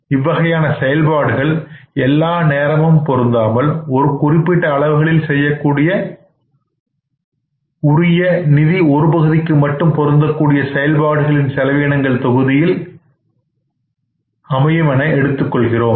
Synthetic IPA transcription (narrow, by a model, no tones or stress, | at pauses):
ɪʋːɐɣɐjaːnɐsɛjɐlbaːɽɯɣɐɭɛlːaːneːɾɐmɐmpɔɾɯnd̪aːmɐlɔɾɯkʊrɪpːɪʈːɐːɭɐʋɯɣɐɭɪlsɛjːɐkːuːɽɪjɐ | ʊrɪjɐnɪðiɔɾɯpɐɣɯðɪkːɯmɐʈːɯmpɔɾɯnd̪ɐkːuːɽɪjɐsɛjɐlbaːɽɯɣɐɭɪnsɛlɐʋeːnɐŋɡɐɭt̪ɔɣɯðɪjɪl | ɐmɐjɐmɐnɐɪɛɽɯt̪ːɯkːɔɭɣɪroːm